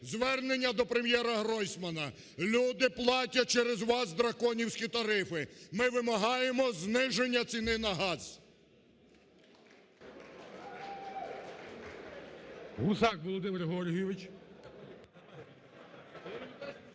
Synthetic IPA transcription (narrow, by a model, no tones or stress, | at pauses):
zʋɛrne̞nʲːɐd̪ɔpɾe̞mjɛɾɐɦɾɔjsʲmɐnɐ | lʲud̪ɪplˠɑtʲɐt͡ʃɛɾezʋɑsd̪ɾɐkɔnʲiwsʲkʲit̪ɐɾɪfɪmɪʋɪmɐɦɑjemɔznɪʒenʲːɐt͡sʲinɪnɐɦɑz | ɦusɑkʋɔlˠɔd̪ɪmɪrɦɔɾʲɦijɔʋɪt͡ʃ